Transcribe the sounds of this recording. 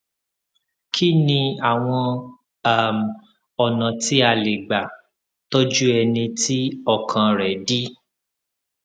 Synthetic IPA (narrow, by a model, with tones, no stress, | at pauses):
kʰi˦nĩ˧a˨w̃ɔ̃˧ | a˨m˨ | ɔ˨nã˨ti˦a˦˨le˨ɡ͡ba˨ | to˦d͡ʒu˦ɛ˧nĩ˧ti˦ɔ˦˨kʰã˧ɾɛ˨˦di˦